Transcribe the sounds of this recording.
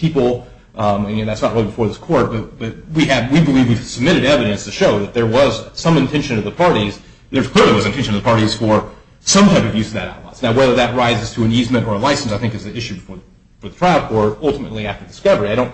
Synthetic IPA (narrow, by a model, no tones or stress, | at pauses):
pʰipl̩ˠ | nðætsnət̚ɹɪlˠibəfɔɹðɪskʰɔɹt̚b̥ʌt̚b̥ʌt̚wiɨdwibəlivwiv̥səb̚mɪɾɨɾɛvɨɾɨ̃nstʰɨʃoʊðɨt̪̚ðə˞wʌz̥sʌ̃mɨ̃ntʰɛ̃nʃɨ̃nʌvðəpʰɑɹɾiz̥ | ðə˞z̥kʰl̥ɪɹlˠiwʌzɨ̃ntʰɛ̃nʃɨnʌvðəpʰɑɹɾiz̥fə˞ | sʌ̃mtʰaɪpʌvjʉz̥ʌvðɨɾaʊtˡla̰ɪz̥naʊwɛðə˞ðɨt̚ɹaɪzɨz̥tʰɨɨ̃nizmɨ̃ñə˞əlaɪsn̩saɪθɪ̃ŋkɨzɨɪʃʉbɨfɔɹ | fə˞ðətʰɹ̥aɪlˠkʰɔɹɾʌlˠtəmɨtˡliæftə˞dɨskʌvə˞iaɪɾõʊ̃n